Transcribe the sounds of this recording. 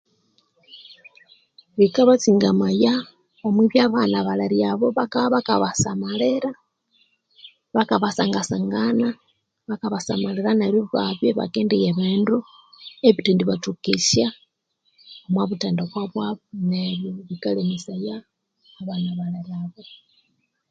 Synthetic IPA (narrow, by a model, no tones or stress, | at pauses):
βikaβat͡siŋɡamaja | βamwiβjaβanaβalaɾjaβoβakaβaβakaβasamaleɾa | βakaβasaŋɡasaŋɡana | βakaβasamaleɾanaβoβaβjeβa̰keːndejeβeːndu | eβitiːndiβatukisa | omwaβuteːndaβwaβwaβneβjoβikalemisajaː | βanaβalaɾjaβo̞